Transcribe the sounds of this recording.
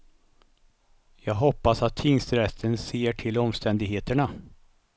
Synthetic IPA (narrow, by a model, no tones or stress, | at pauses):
jɑːɡɦɔpːasat̪ʰːɪŋst̪ɾɛt̪ʰːənseːʈʰɪlɔmst̪ɛnd̪ɪɡɦeːt̪əɳa